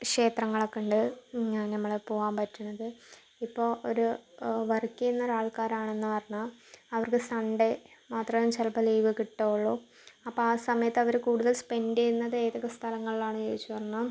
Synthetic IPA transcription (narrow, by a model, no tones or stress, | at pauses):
kʂe̞ːt̪rɐŋːɐɭokːeɳɖɨaːnnɐmːɐɭepo̞ːɣaːmpɐtːunːɐðɨ | ipːo̞ːʔoɾuʋɐrkːijenːɐɾaːɭkaːɾaːɳe̞nːɨpɐrɐɲːaɐʋɐrkɨsɐɳɖemaːt̪rɐmumt͡ɕelɐpɐliːʋɨkiʈːoːɭːoː | ɐpːoaːsɐmɐjɐt̪ːɨɐʋɐɾekuːɽuðɐlspe̞ndeɾunːɐðeːðɐɣɐst̪ʰɐlɐŋːɐɭilaːɳɨjeːjit͡ɕːupɐrɐnːa